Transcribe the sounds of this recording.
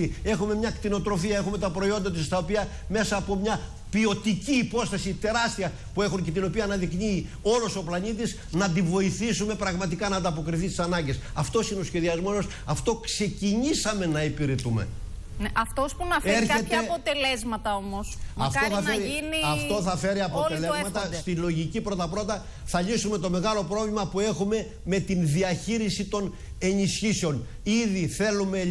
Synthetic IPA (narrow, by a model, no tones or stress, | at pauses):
ie̞xume̞mɲɐkt̪ino̞t̪ɾo̞fiɐe̞xume̞t̪ɐpɾo̞io̞nd̪ɐt̪ist̪ɐopiɐ | me̞sɐːpo̞mɲɐ | pio̞t̪iciːpo̞st̪ɐsit̪e̞ɾɐst̪iɐ | pue̞xunce̞t̪ino̞piɐːnɐðikniː | o̞lo̞so̞plɐɲit̪̬is | nɐnd̪ivo̞iθisume̞pɾɐɣmɐt̪ikɐnɐːnd̪ɐp̬o̞kɾiθist̪isɐnɐɲɟe̞sɐft̪o̞sineo̞sçe̞ðiɐzmo̞os | ɐft̪o̞kse̞ciɲisɐme̞nɐipiɾet̪ume̞̰ | neʔɐft̪ospunɐfeɾçet̪epot̪e̞lezmɐt̪ɐomosɐfoθɐfeɾiiniɐft̪o̞θɐfe̞ɾiɐpo̞t̪elezmɐt̪ɐst̪ilo̞ʝicipɾo̞t̪ɐpɾot̪ɐ | θɐʎisume̞t̪o̞me̞ɣɐlo̞pɾo̞vlʲimɐpue̞xume̞ | me̞t̪inðiɐçiɾisit̪o̞n | e̞nisçiseo̞n | iðiθe̞lume̞